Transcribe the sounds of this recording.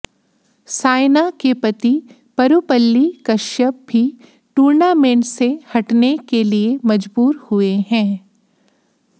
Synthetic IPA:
saːɪnakepɐt̪i | pɐɾupəlːikɐʃjəb̚ʱi | ʈuːɾnaːmẽːɳʈsehɐʈnekeliemɐd͡ʒbuːɾhʊeɦɛ̃ː

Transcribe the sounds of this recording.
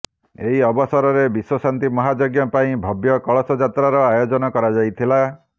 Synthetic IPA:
eɦiɔbɔsɔɾɔɾebiswɔsant̪imɔɦad͡ʒɔɡjɔpaĩbʱɔbjɔkɔɭɔsɔd͡ʒat̪ɾaɾɔajod͡ʒɔnɔkɔɾad͡ʒajt̪ʰila

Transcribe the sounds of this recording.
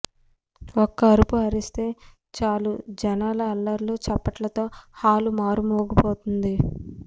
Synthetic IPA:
ɔkːɐːɾupuɐɾist̪e̞ː | t͡ʃaːlud͡ʒɐnaːlɐɐlːɐɾloːt͡ʃɛpːɐʈlɐt̪o̞ːhaːlumaːɾumoːɡupoːt̪und̪i

